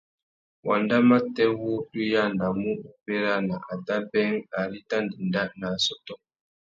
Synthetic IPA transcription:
wʔa˨nda˦ma˦tɛ˦wo˦tu˦ja˦nda˨mu˦u˨pe˦ɾa˦na˨ʔa˨ta˦bɛ˦ŋa˨ɾi˦ta˦ndi˨nda˦ʔna˨sɔ˦tɔ˦

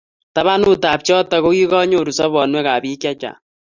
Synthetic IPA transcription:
ta˨βa˦nu˦taː˨p̚t͡ʃɔ˦tɔ˨ko˦ki˦kɔ˦ɲo˨ɾu˨sɔ˦βɔ˨nwɛ˦kaː˨biː˦kja˦t͡ʃa̰˨

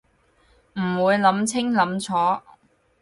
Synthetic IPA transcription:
m̩˨˩wuː˨˧jlɐ˨˥mt͡sʰɪ˥ŋlɐ˨˥mt͡sʰɔː˨˥

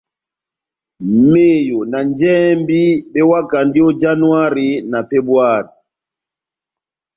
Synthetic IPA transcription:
meː˦˨jɔ˨na˨ɲd͡ʒɛː˦mbi˦ɓɛ˦wa˦ka˨ndi˦ɔ˦d͡ʒa˦nu˦a˦ɾi˨˦na˨fɛ˦bwaː˦˨ɾi˨

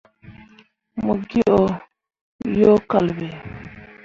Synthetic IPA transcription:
mu˨ɡi˦ʔo˨ | jo˦ka˨lbe˨

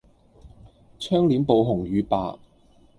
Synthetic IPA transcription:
t͡ʃʰœː˥ŋliː˨˥mpo˨˧wɦʊ˨˩ŋɥyː˨˧pa̰ː˨˧

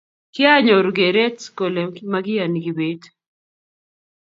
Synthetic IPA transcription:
kɪ˦a˦ɲɔ˨ɾɡe˨ɾɛ˦tko˨lɛ˨mkmaɡɪ˦a˨ni˨ɡɪ˨be˦t

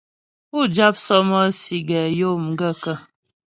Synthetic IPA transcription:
u˦˨d͡ʒa˦p̚sɔ˦mɔ˦si˨ɡɛ˨jo˦˨m̩˨ɡə˦˨kə˦˨

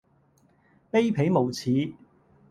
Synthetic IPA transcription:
pe˥jpʰe˨˥jmo˨˩wt͡sʰiː˨˥

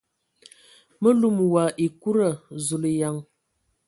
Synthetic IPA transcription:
mə˦lu˨m˨wa˨ʔi˨ku˦ɾa˨zu˨li˨ja˨ŋ

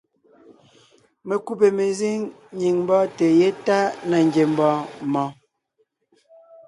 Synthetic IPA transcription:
me˨ku˦p̬e˨me˨zi˦ŋ | ɲi˨ŋm˦bɔ˦te˨je˦ta˦na˨ŋ˨ɡe˨m̩˦bɔ˦mɔ̃˨˦

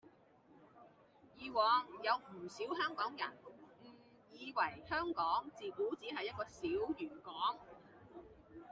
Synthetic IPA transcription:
jiː˧wɔː˨˥ŋjɐ˨˧wm̩˨˩siː˨˥wɦœː˥ŋkɔː˨˥ŋjɐ˨˩nm̩˨˩ | jiː˨˧wɐ˨˩jhœː˥ŋkɔː˨˥ŋt͡siː˨kuː˨˥t͡siː˨˥ɦɐ˨jːɐ˥t̚kɔː˧siː˨˥wjyː˨˩nkɔː˨˥ŋ

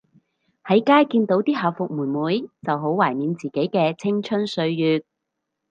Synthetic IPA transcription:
hɐ˨˥jkaː˥jkiː˧nt̪o˨˥wt̪iː˥ɦaː˨˩fʊ˨k̚muː˨˩nmuː˨˥jt͡sɐ˨wɦo˨˥wwaː˨˩jmiː˨˧nt͡siː˨˩ke˨˥jkɛː˧t͡sʰɪ˥ŋt͡ʃʰɵ˥nsɵ˨˧ɥːyː˨t̚

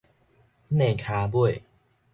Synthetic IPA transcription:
neː˧˩kʰaː˧bu˥˩əj

